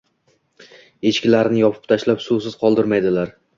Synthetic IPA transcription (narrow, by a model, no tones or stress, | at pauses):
e̞ʃkʲɪlaɾnɪjɒpʰɪ̥p̚t̪ʰaʃlapsusɪz̥qʰɒlˠd̪ɪɾmajd̪ɪlaɾ